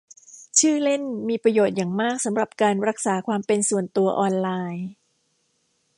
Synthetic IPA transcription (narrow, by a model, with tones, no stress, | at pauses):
t͡ɕʰɯː˥˩le˥˩nmiː˧pɾa˧joː˨˩t̪̚jaː˨˩ŋmaː˥˩k̚sa˩˦mɾa˨˩p̚kaː˧nɾa˦˥k̚saː˩˦kʰwaː˧mpe˧nsu˨˩ənt̪u˧ɐʔɔː˧nlaː˧j